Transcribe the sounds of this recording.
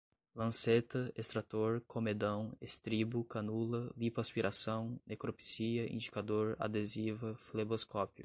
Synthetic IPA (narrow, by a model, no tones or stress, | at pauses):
lɐ̃set̪ɐest̪ɾat̪oɾkomed̪ɐ̃w̃est̪ɾibʊkɐnulɐlipaspiɾʔasɐ̃w̃nekɾopi̥siɐḭ̃nd͡ʒikad̪oɾa̰d̪ezivɐfleboskɔpjʊ